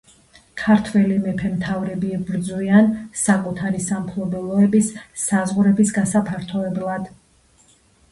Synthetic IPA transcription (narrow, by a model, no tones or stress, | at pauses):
kʰaɾt̪ʰwɛlimɛpʰɛmt̪ʰavɾɛbiɛbɾd̪zwiansakʼut̪ʰaɾisampʰlˠɔbɛlˠɔɛbisːazʁɾɛbisɡasapʰaɾt̪ʰɔɛblˠad̪̥